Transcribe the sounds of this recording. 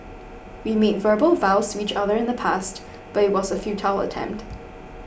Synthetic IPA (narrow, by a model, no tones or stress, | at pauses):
wimeɪtvɜ˞bəlˠvaʊstʰəit͡ʃʌðə˞ɨ̃ɪ̃nðəpʰast | b̥ʌɾɨt̚wʌzəfjʉtʰaɪlˠə̰tʰɛ̰̃mp̚t